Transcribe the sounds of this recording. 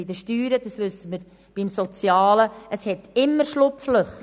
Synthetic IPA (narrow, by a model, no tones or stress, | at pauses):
id̪əʃtyːɾəd̥̪ɑsʋʏsːəməɾ | b̥imsɔt͡sjɑːləəshɛt̪ɪmːəɾʃlʊpfløχ